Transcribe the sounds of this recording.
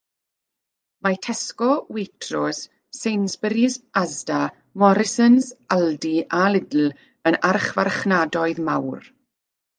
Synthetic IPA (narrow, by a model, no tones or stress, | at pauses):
matʰɛskɔwɪtʰrɔs | sejnsbəɾisazda | mɔɾɪsənsaldiʔalɪdl̩ | ənarχvarχnadɔɨðmawr